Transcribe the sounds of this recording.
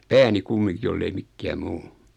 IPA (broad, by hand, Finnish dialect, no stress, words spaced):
pæːni kumːiŋki jolːei mikːæː muː